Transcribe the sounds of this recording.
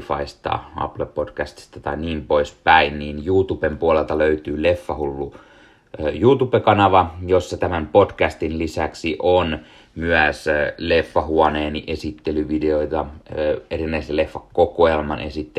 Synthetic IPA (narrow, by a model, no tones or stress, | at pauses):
fɑ̰ist̪ɑ̰ɑ̰plepod̥kæst̪i̥st̪ɑt̪ɑiniːmpoispæinniːnjuːt̪upempuolelt̪ɑløyt̪yːlefːɑhulːu | juːt̪upekɑnɑʋɑjosːɑt̪æmæmpodkæst̪inlisæksiʔon | myæslefːɑhuɑneːniʔesit̪ːelyʋideoit̪ɑerinːæiselefːɑkkːokoelmɑnʔesit̪ːe